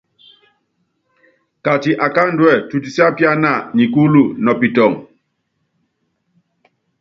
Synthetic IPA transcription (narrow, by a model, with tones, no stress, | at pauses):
ka˨ti˨ʔa˨ka˦n˦dwɛ˦˨tu˨t̬i˨si˦a˦pja˦na˦˨ɲi˨ku˦lu˦˨nɔ˨pi˨tɔ˨ŋ